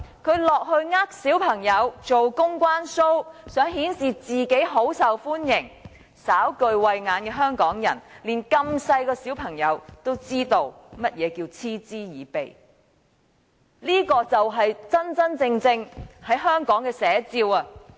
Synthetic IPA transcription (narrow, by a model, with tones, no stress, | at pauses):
kʰɵ˨˧ɥlɔː˨k̚hɵ˧ɥŋaː˥k̚siː˨˥wpʰɐ˨˩ŋjɐ˨˧wt͡so˨wkʊ˥ŋkwaː˥nso˥wsœː˨˥ŋhiː˨˥nsiː˨t͡siː˨ke˨˥jɦo˨˥wsɐ˨wfuː˥njɪ˨˩ŋ | saː˨˥wkɵ˧ɥwɐ˧jŋaː˨˧nkɛː˧ɦœː˥ŋkɔː˨˥ŋjɐ̰˨˩nliː˨˩nkɐ˧msɐ˧jkɔː˧siː˨˥wpʰɐ˨˩ŋjɐ˨˧wt̪o˥wt͡siː˥t̪o˨˧w | mɐ˥t̚jɛː˨˧kiː˧wt͡sʰiː˥t͡siː˥jiː˨˧pe˨j | liː˥kɔː˧t͡sɐ˨wɦɐ˨jt͡sɐ˥nt͡sɐ˥nt͡sɪ˧ŋt͡sɪ˧ŋhɐ˨˥jɦœː˥ŋkɔː˨˥ŋkɛː˧sɛː˨˧˥t͡siː˧wɐ˧